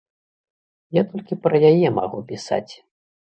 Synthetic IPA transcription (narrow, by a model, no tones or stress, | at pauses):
jat̪ɔlʲkʲipɾɐjajɛma̰ɣupʲisa̰t͡sʲ